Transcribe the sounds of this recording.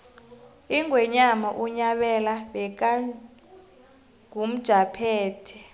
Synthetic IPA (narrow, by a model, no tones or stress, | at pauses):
iŋwɛɲamaʔuɲaɓɛlaɓɛk̬a | ŋʱum̩d̥ʒ̥ʱapʰɛːtʰi̥